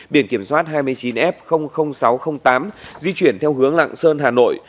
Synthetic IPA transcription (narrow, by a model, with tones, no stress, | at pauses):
ɓḭ˧˩ənki˧˩əmswaː˦˥t̚ɦaː˧jmɨ˧əjt͡ɕi˨˦nʔɛ˦˥p̚xə˧wŋ͡mxə˧wŋ͡msa˨˦wxə˧wŋ͡mt̪aː˨˦mzi˧t͡ɕwi˧˩ənt̪ʰɛ˧wɦɨ˨˦əŋla̰˧˨ŋsəː˧nɦaː˨˩no̰˧˨j